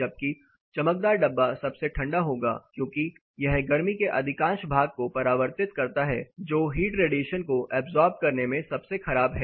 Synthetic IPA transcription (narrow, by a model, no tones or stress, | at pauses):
d͡ʒɐb̚ki | t͡ʃɐmək̚d̪aːɾɖɐbːasɐbseʈʰɐ̃ɳɖaɦoːɡa̰ːkjõːki | jɐɦɡɐɾmikeʔɐd̪ʱɪkãːʃbʱaːɡ̚kopɐɾaːʋəɾt̪ɪt̪kɐɾt̪aɦɛ̰d͡ʒoːɦiːʈɾeːɖiːʃənkoʔɛːbzɔːɾbɖ̚kɐɾnemẽsɐbsexɐɾaːbɦɛː